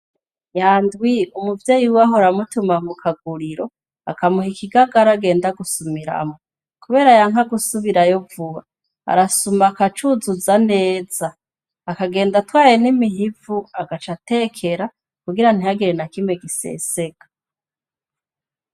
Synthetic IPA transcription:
jaːndwiumuvje̞ːjiwaɦoɾamutumamukʰaɡuɾiɾo̞ | a̰kamuhikʰiɡaɡaɾaɡe̞ːndaɡusumiɾa̰mo | kuβe̞ːɾajaŋɦaɡusuβiɾajovuβa | a̰ɾasumakat͡ʃuzuzane̞ːz̥aː | kaɡe̞ːndatwaːjenimiɦivuaɡat͡ʃate̞ːkʰe̞ɾa | kuɡiɾan̥ihaɡiɾenakimweɡise̞̰ːse̞ɡ̥ḁ

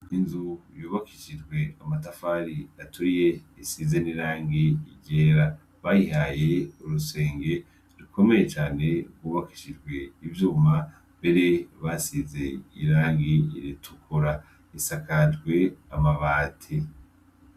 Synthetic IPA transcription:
inzujuːβakiʃid͡ʒɡwe̞amatafaɾiatʰuɾije̞ | isize̞niɾaːŋɡiiɟeːɾa | βajiɦaje̞uɾuse̞ːŋɡe̞ | ɾiko̞me̞jet͡ʃaːne̞ɡwuːβaki̥ʃid͡ʒɡwe̞ivjuːma | mbe̞ɾe̞βasize̞iɾaːŋɡiiɾitʰukʰuɾa | isakatɡwe̞amaβaːtʰe

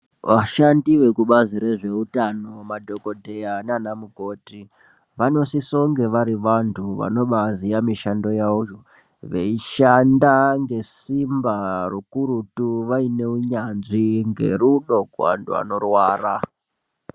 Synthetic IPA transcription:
ʋaʃandiʋe̞kuɓaziɾe̞ʐe̞utano̞madʱo̞ko̞dʱe̞jananamuɡʱo̞ti | ʋano̞siso̞ŋɡe̞ʋaɾiʋantʰuʋa̰no̞ɓazijamiʃando̞jaujo | ʋḛiʃandaŋɡe̞simbarukuɾutuʋaine̞uɲanʐiŋɡe̞̰ruɗo̞kua̰ntṵa̰no̞rwaːra

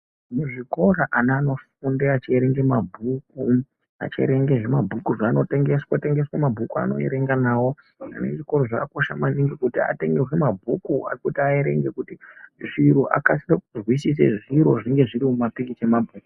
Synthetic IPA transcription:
muʐiko̞raʔanːno̞fundeat͡ʃieɾe̞ŋɡemabʱuku | a̰t͡ʃḛɾe̞ŋɡe̞ʐemabʱukuʐaːno̞te̞ŋɡe̞swate̞ŋɡe̞swamabʱukua̰no̞̰ḛɾe̞ŋɡanaːwo̞ | a̰ne̞ʐiko̞ɾo̞ʐakako̞ʃamaniŋɡikutia̰te̞ŋɡerwemabʱukua̰rikutiaeɾe̞̰ŋɡe̞kutiʐiɾuʔa̰kasirakuzwisis̬ḛʐiɾo̞ʐiŋɡe̞ʐiɾimumapikit͡ʃemabʱuːku

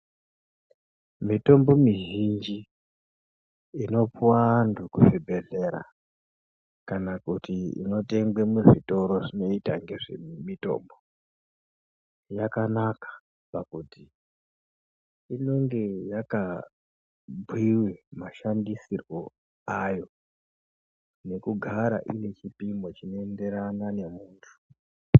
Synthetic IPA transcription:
mito̞mbo̞miʒind͡ʒi | no̞puwandukuʐibʱe̞ɮe̞ɾa̰ | kanakutiḭno̞te̞ŋɡwemuʐito̞ɾo̞ʐino̞itaŋɡe̞ʐe̞̰mito̞̰ːmbo̞ | jakanakḁ | pakuti | ino̞ŋɡe̞jaka | bʱwiwemaʃandisirwo̞ | ajo̞ | ne̞kuɡʱaɾa̰ʔinet͡ʃipimbo̞t͡ʃinoende̞ɾanane̞muːntʰu̥

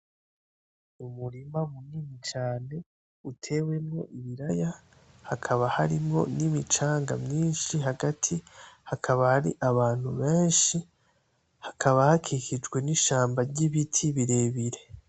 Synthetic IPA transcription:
umuɾimamunimit͡ʃaːne̞ | utʰe̞we̞mŋo̞̰ʔiβiɾaja | hakʰaβahaɾimŋo̞̰nimit͡ʃaːŋɡa̰mɲiːnʃiɦaɡatʰihakʰaβahaɾḭʔaβaːn̥huβeːnʃi | hakʰaβahakʰikid͡ʒɡwe̞niʃaːmbaɾɟiβitʰiβiɾe̞ːβiɾe̞

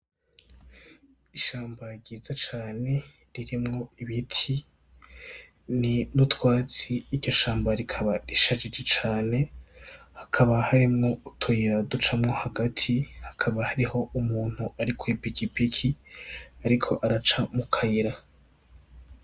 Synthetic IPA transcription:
iʃaːmbaɾɟiːzat͡ʃaːne̞ | ɾiɾimŋo̞iβitʰi | ninutwaːt͡siːɾɟo̞ʃaːmbaɾikʰaβaɾiʃad͡ʒid͡ʒet͡ʃaːne̞ | hakʰaβahaɾimŋo̞utʰoiɾadut͡ʃamŋo̞haɡatʰihḁkʰaβahaɾiho̞umuːn̥huaɾikʰoipikipikʰiaɾikʰo̞̰ʔaɾat͡ʃamukʰaiɾa

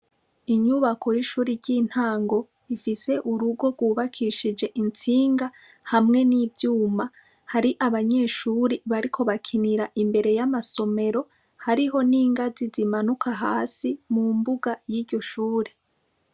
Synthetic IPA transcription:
iɲuβakʰo̞jiʃuːɾiɾɟiːn̥haːŋɡo̞ | ifise̞ʔuɾuɡo̞ɡwuːβakʰiʃid͡ʒe̞ʔint͡siːŋɡa | hamŋe̞niːvjuːma | haɾiʔaβaɲe̞ːʃuːɾiβaɾikʰo̞βakʰiniɾaʔimbe̞ɾe̞jamaso̞me̞ɾo̞ | haɾiɦo̞niːŋɡazizimanukʰaɦaːsimumbuɡajiːɾɟo̞ʃuːɾe

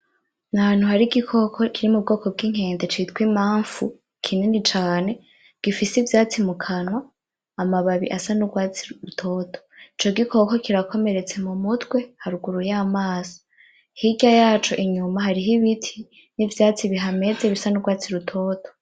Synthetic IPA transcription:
naaːn̥uɦaɾiɡikʰo̞kʰo̞kʰiɾimub̚ɡo̞ːko̞b̚ɡiŋ̥e̞ːnde̞t͡ʃitwimaːɱfu | kʰininit͡ʃaːne̞ | ɡ̥ifisivjaːt͡simukʰanwaː | maβaβḭʔasanuɡwaːt͡siɾutʰo̞ːtʰo̥it͡ʃo̞ɡikʰo̞ko̞kiɾako̞me̞ɾe̞t͡se̞mumutwe̞haɾuɡuɾujamaːzḁ | hiɟajaːt͡ʃo̞ʔiɲumaɦaɾiɦiβitʰi | nivjaːt͡siβiɦame̞ze̞βisanuɡwaːt͡siɾutʰo̞ːtʰo̞̥

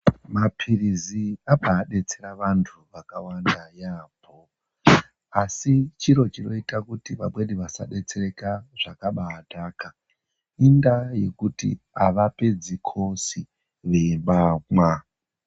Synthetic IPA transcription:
mapʰiriziaɓaːɗe̞t͡se̞ɾaʋantʰuʋakawandajapʰo | asit͡ʃiɾo̞t͡ʃino̞itakutiʋaɓwe̞ɗiʋasa̰ɗe̞t͡se̞re̞kaʐ̥akaɓaːtaːka | indaje̞kutḭ | aʋape̞d͡zikʰo̞si | ʋembaŋwa

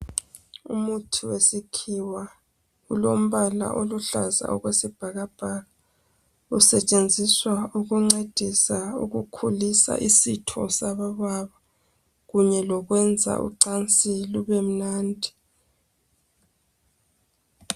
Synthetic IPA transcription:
ṵmutʰiwesikʰiwa | ulom̩βala̰ʔoluɬa̰za̰ʔɔ̰ɣwesib̥ʱaɣab̥ʱaːɣa | usɛt͡ʃʼend͡zʱiswauɣuŋ͡ǀed̥ʱisaṵɣukʰulisa̰ʔisitʰɔ̰saβaβaβa | ɣuɲɛlɔɣwɛnd͡zʱa̰ʔṵǀant͡sʼiluβem̩naːndʱi̥

